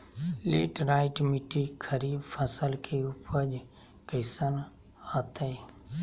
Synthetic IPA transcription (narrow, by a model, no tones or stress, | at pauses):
leːʈɾaːɪʈmɪʈikʰəɾiːbfʰəsəlkʰeʊpʰəd͡ʒ | kəɪsən | aːt̪ʰeː